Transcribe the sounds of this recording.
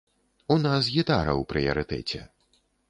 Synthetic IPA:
unas̬ɣʲit̪aɾɐ̰wpɾɨjɐɾɨt̪ɛ̰t͡sʲɛ̰

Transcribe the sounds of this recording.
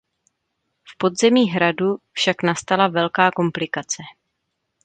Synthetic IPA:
fpo̞dzɛmiːɦɾadufʃaknast̪alavɛlkaːko̞mplɪkat͡sɛ

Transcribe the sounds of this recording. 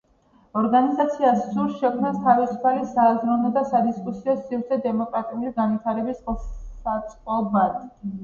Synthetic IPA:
ɔɾɡanizat̪sʰiasːuɾʃɛkʰmnast̪ʰavisupʰalisaːzɾɔnɔd̪asad̪iskʼusiɔsivɾt̪sʰɛd̪ɛmɔkʼɾat̪ʼiulisɡanvit̪ʰaɾɛbisˠat̪sʼqʼɔbaɾt̪ʼ

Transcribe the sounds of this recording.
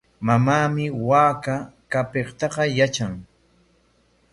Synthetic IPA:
mamaːmɪwaːkakapeχt̪ɑqɑjat͡ʃaŋ

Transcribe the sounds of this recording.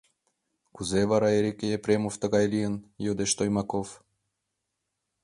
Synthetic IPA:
kuzevɑɾɑeɾʲekʲejepɾʲemoft̪ə̆ɣɑjlʲiənjod̪eʃt̪ojmɑkof

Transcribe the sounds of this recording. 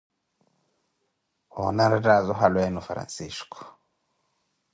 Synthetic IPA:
hɔ̰naɾadazɔɦalwɛnufaɾa̰nsiskɔ̥

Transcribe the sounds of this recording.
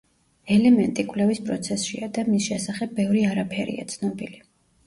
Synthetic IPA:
ɛlɛmɛnt̪ʼikʼvlɛvispʼɾɔ̰t̪sʰɛsʃḭad̪amisʃɛsaχɛbːɛvɾiaɾapʰɛɾḭa̰t̪sʰnɔbili

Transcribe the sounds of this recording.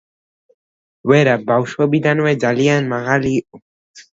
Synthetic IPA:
weɾabawʃobid̪anued͡ʒalianmaɣaliʔo

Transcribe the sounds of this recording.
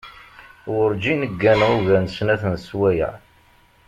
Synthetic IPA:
wʊɾd͡ʒinəɡːænʁuʝænsnæθənswæjæ̰

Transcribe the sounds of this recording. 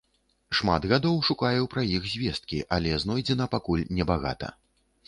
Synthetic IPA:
ʂma̰d̪ɣad̪ɔwʂukajɛwpɾajixzʲvʲɛst̪̚kʲiʔalʲɛznɔjd͡zʲɛnɐpakulʲnʲɛbaɣa̰t̪ɐ̰

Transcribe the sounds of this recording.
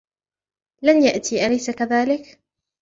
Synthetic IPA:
lanjaʔt̪iːʔalajsakaðaːlɪk

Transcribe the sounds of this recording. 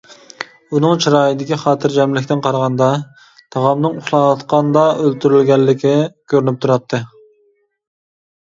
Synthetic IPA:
unɨŋt͡ʃʰiɾɑːjid̪ɪkʲʰiχɑːt̪ʰɨɾd͡ʒɛmlɪkʲt̪ɪnqʰɑɾʁɑnd̪ɑ | t̪ʰɑʁɑmnɨŋuχlˠɑnɑt̪qɑnd̪ɑølt̪ʰyɾylɡʲɛlːɪkʲɪkʲʰøɾynyp̚t̪ʰuɾɑt̪ʰːɨ

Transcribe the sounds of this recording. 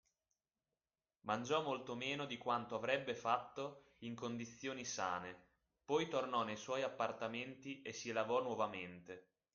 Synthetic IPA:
mand͡ʒɔmːolt̪omeːnod̪ikwant̪oavɾɛbːefat̪ːo | iŋkond̪it̪sːjoːnisa̰ːne | pɔjt̪ornɔnejswɔjapːart̪ament̪iʔesːilavɔnwɔvament̪e

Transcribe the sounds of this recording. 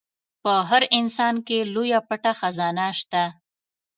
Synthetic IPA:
pəɦaɾɪnsɑnkelojapaʈaxazɑnaʃt̪a

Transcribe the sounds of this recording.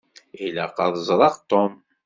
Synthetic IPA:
ilæqɑðˤzˤɾˤɑʁt̪om

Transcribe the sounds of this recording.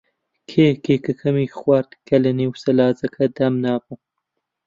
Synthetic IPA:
kʰeːkʰeːkɨkʰɐmiːxwaɾd̪kʰɐlɐniwsɐlaːzɐkʰɐd̪ɐmnaːbɨ

